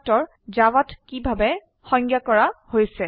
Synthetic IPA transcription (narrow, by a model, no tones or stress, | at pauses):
tɔɹ | zawatkibʱabɛ | xɔ̃ŋɡjakɔɹahojsɛ